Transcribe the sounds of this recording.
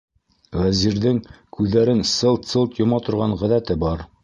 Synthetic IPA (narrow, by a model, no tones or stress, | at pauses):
ʁæziɾðɘŋkʉðːæɾɘnsɤlˠt̪sɤlˠt̪jŏmɑt̪ŏɾʁɑɴʁæðæt̪ɘbɑɾ